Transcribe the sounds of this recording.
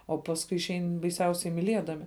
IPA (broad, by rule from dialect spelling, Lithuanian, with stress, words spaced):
oː ˈpɑːsˌkʊɪ ɪʃʲˈɛɪn bɐɪˈsʲɛʊsʲɛɪ mʲɪˈlʲiɛdɐmʲɪ